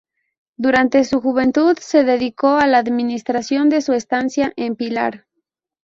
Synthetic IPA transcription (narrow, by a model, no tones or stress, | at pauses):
d̪uɾant̪e̞suxuβ̞e̞nt̪uðse̞ðe̞ðiko̞alaːðmĩnist̪ɾasjo̞nd̪e̞suest̪ansjaʔempila̰ɾ